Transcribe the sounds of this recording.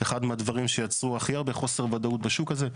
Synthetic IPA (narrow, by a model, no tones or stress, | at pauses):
eχad̪mead̪vaʁimʃejat͡sʁuaχijaʁbeχo̞se̞ʁvad̪aut̪̚baʃukaze